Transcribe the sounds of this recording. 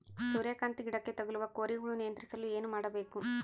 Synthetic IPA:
suɾeːkaːnt̪iɡiɽɐkːe̞t̪ɐɡɐluʋɐkoːɾiɡuɭunijɐnt̪ɾisɐlueːnumaːɽɐbe̞ːku

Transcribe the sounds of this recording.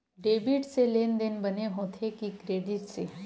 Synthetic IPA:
ɖeːbɪʈseleːnd̪enbɐneɦoːt̪ʰekikɾeːɖɪʈse

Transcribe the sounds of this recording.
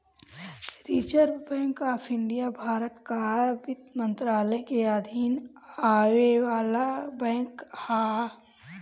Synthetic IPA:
ɾit͡ʃəɾbɛ̃ːŋkaːpʰɪɳɖijabʱaːɾət̪kabɪt̪mə̃nt̪ɾaːləjkead̪ʱiːn | aːʋewaːlabɛ̃ːŋkha

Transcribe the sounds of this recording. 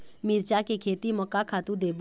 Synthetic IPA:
miɾt͡ʃakekʰeːt̪iməkakʰaːt̪ud̪eːb

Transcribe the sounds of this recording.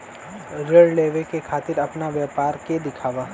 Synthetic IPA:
ɾeɖleːʋekekʰaːt̪ɪɾɐpnaʋjaːpaːɾked̪ɪkʰaːʋaː

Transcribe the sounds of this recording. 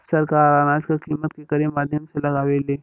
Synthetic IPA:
səɾkaɾɾanat͡skakimət̪̚kekəɾemad̪ʱjəmseləɡaʋele

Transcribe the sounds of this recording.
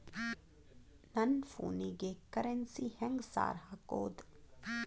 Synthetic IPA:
nɐnfṵːniɡekɐɾensihɛ̃ŋɡsa̰ːɾɦako̰ːd̪

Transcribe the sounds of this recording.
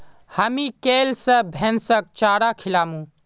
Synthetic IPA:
hɐmikeːlsəbʱɛnsək̚t͡ʃaːɽakʰilaːmũː

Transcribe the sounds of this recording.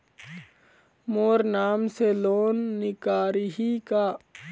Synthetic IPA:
moːɾnaːmseloːnːɪkaːɾiɦikaː

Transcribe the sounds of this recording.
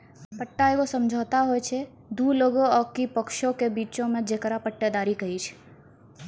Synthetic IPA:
pəʈːaeʋosəmd͡ʒʱat̪aɦojt͡ʃʰe | d̪uloɡoəkipəkʃõkebiːt͡ʃõmẽd͡ʒekɾapəʈːəd̪aɾikəɦit͡ʃʰe̥

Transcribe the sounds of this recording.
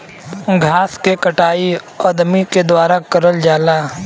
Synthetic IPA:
ɡʱaːskekɐʈaːi | ɔːɾd̪ɐmiked̪waːɾakɐɾəld͡ʒaːlaː

